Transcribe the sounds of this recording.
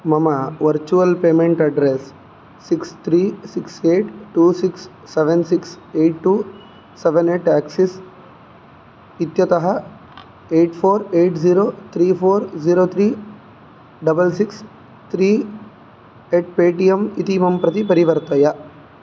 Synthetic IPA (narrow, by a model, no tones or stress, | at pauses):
mɐmɐʋɐɾt͡ʃuʋɐlpeːmeɳʈɐɖɾesː | ikst̪ʰɾiːsikseːʈʈuːsiksː | eʋensiks | eːʈːuː | seʋeneːʈaːksis | it̪jɐt̪ɐɦɐ | eːʈpʰoːɾeːʈziːɾoːt̪ʰɾiːpʰoːɾd͡ʒiːɾoːt̪ʰɾiː | ɖɐbɐlsiks | t̪ʰɾiː | eːʈ̚peːʈijemit̪imɐmpɾɐt̪ipɐɾiʋɐɾt̪ɐjɐ